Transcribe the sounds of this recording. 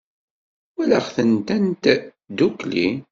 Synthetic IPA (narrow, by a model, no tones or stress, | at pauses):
wælaχθənt̪ænt̪ | d̪ukli